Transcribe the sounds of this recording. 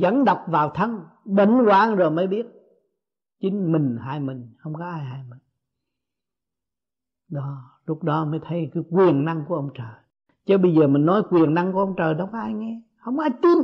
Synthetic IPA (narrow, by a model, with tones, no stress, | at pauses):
zə̰˧˥˦nɗə˨˩wk͡p̚vaː˨˩wt̪ʰə˧ŋ | ɓḭ˧˨ŋ̟kwaː˨ŋzo˨˩jməː˨˦jɓi˦˥ət̚ | t͡ɕï˨˦ŋ̟mï˨˩ŋ̟haː˧jmï˨˩ŋ̟hə˧wŋ͡mkɔ˨˦ʔaː˧jhaː˧jmï˨˩ŋ̟ | ɗɔ˨˦ | lʊ˦˥k͡p̚ɗɔ˨˦˧məː˨˦jt̪ʰə˨˦jkːjkwi˨˩ənna˧ŋku˧˩əʔə˧wŋ͡mt͡ɕəː˨˩j | t͡ɕə˧ɓə˧jzəː˨˩mï˨˩ŋ̟nɔ˨˦jkwi˨˩ənna˧ŋkəʔə˧wŋ͡mt͡ɕəː˨˩jɗɔ˧˦kːʔaː˧jŋɛ˧ | hə˧wŋ͡mʔaː˧jt̪i˧n